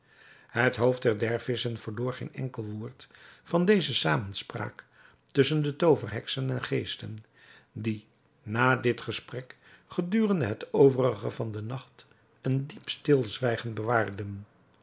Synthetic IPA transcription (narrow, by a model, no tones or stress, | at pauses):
ɦətɦowfdɛɹdɛɹfɪsənvəɹloːɹχejnɛ̰ŋkəlˠʋʊːɹtfɑndejzəsaːmənspra̰ːk | tɵsəndətowvərɦɛksənɛnχejstən | di | naːdɪtχəsprɛk | χədyːrəndəɦətowvərəχə̰vɑndənɑχt | əndipstɪlˠzʋɛjχənbəʋaːrdən